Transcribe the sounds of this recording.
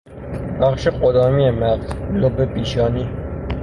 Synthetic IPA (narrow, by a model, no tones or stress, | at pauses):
bæχʃeqod̪ɒːmiemæqd̪lobepiːʃɒːni